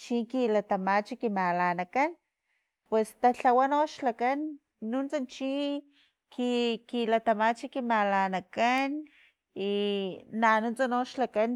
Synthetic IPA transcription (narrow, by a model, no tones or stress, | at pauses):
t͡ʃiŋkilat̪amat͡ʃikimalanakan | pwest̪aɬawanoʃlakanː | unt͡sant͡ʃi | kikilat̪amat͡ʃikimalanakan | inanunt͡sanoʃlakan